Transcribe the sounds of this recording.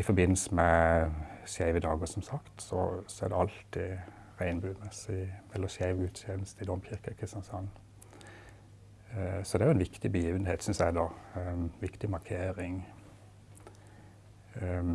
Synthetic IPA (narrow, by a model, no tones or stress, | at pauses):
ɪfɔɾbɪnːl̩səmɛ | ʃjæɪʋəd̪ɑːɡəsɔmsɑkt̪sɔ̰sɔæd̪ɛɑlt̪ʰɪ | ʁæɪnbʉːməsɪɛlːəʃæɪʋɡʉːt̪sɛnəst̪əɪd̪ɔmçɪɾkəkʰəsɑnsɑnː | sɔd̪ɛæɾjʊɛnʋɪkt̪ɪbəjiːʋənheːt̪sʏnsæɪd̪ɑ | ʋɪkt̪ɪmɑɾkʰeːɾɪŋ